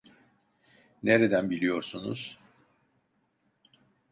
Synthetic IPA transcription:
neɾed̪ænbilʲijo̞ɾsunṵz̥

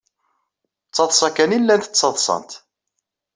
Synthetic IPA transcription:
t͡sːɑðˤsˤɑkænilːænt̪ət͡sːɑðˤsˤɑ̰nt̪

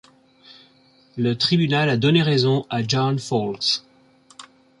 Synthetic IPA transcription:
lət̪χibynalad̪ɔneʁɛzɔ̃ʔad͡ʒɑnfɔlks

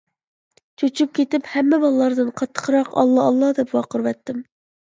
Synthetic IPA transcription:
t͡ʃʰot͡ʃʰyp̚kʲʰet̪ɪphɛmːɛbɑlˠlːˠɑɾd̪ɨnqʰɑt̪ʰːə̥qʰɾɑqɑ̰lˠːɑːlˠːɑd̪ɛpwɑqəɾwɛt̪ːɪm

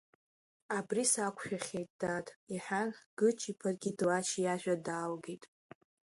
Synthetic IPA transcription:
abrisakʷʰʼʃᶣaχʲejtʼd̥atʼiħʷanɡ̥ɨt͡ʃʰipʰarɡʲidlaʃijaʒᶣadaːlɡejtʼ

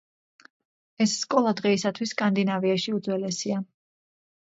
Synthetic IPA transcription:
ɛsːkʼɔlˠad̪ʁɛisat̪ʰwisːkʼand̪inaviaʃiud̪zwɛlɛsia

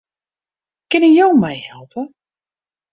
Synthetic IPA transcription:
kɪnənjowmɛjhɛlˠpə

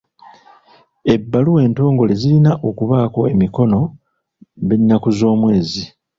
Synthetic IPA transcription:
e̞bːaluwe̞ːnto̞ːŋɡo̞le̞zilinaʔo̞kuβaːko̞e̞miko̞no̞ | βinːakuzo̞ːmwe̞ːzi

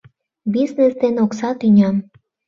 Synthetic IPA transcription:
biznesd̪enoksɑt̪ynʲɑm

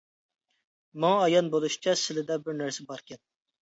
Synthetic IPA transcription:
mɑŋɑːjɑnbolˠuʃi̥t͡ʃʰɛsɪlɪd̪ɛbɪɾnæɾsɛbɑɾkʲɛn̚

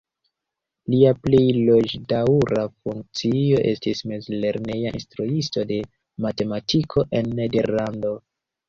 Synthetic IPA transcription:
liaplejlo̞d͡ʒdauɾafuŋk̚t͡sio̞ʔe̞̰stismezle̞ɾne̞jaʔḭnstɾuisto̞de̞ | mate̞matʰikʰo̞ʔe̞nːe̞de̞ɾlando̞

